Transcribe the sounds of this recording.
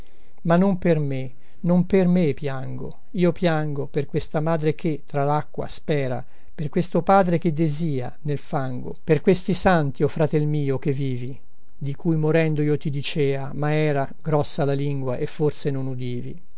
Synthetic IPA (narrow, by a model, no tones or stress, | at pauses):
manːomperme | nompermepːjaŋɡo̰ | iːopjaŋɡoperkwest̪amaːd̪ɾek̟et̪ːɾalakːwa̰spɛːɾa̰ | perkwest̪opaːd̪ɾek̟ed̪eziːa̰nelfaŋɡo̰perkwest̪isant̪iofɾat̪ɛlmiːok̟evːiːvi | d̪ikʰujmoɾɛnd̪oiot̪id̪it͡ʃɛːamaɛːɾa | ɡɾɔsːalaliŋɡwaʔefːorsenonud̪iːvḭ